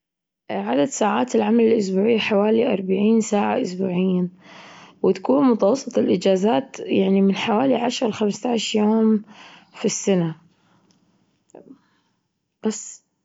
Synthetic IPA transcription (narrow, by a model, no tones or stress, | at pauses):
ʕad̪ad̪saːʕaːt̪ɪlʕamalɪlʔʊs̬buːʕɪħawaːliʔɑɾˤbaʕiːnsaːʕa̰ʔʊsbuːʕɪjːan | wɪt̪ḁkuːnmʊt̪ɑwɑsˤːɨt̪ˤɪlʔɪd͡ʒaːzaːt̪jaʕnimɪnħawaːliʕaʃɾˤɑwxamst̪aʕʃɾjoːmfisːana | b̥asː